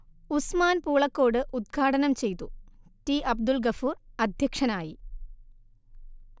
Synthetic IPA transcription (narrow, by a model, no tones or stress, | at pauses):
usmaːnpuːɭɐkːo̞ːɽɨʔud̪̚ɡʰʱaːɽɐnɐmt͡ɕe̞jt̪ːutiʔɐb̚d̪ulɡɐfuːrɐd̪ʱjɐkʂɐnaːji